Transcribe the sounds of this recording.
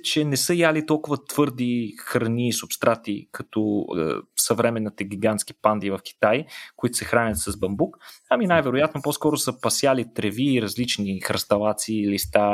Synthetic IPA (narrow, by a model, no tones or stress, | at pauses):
t͡ʃɛnɛsəjalit̪ɔlˠkʊvət̪v̥ɤɾd̪ixɾɐniːsʊpst̪ɾʔat̪ikɐt̪ɔ̰ | sɐvɾɛmɛnːit̪ɛɡʲiɡant̪ski̥pand̪ivəfk̟i̥t̪ajkʊit̪ʊ̥sɛxɾanʲət̪sɐzbɐmbukaminajvɛɾʊjat̪nopɔskɔɾʊsəpɐsjalit̪ɾɛviːɾɐzlit͡ʃnixɾɐst̪ɐlˠat̪siːlist̪a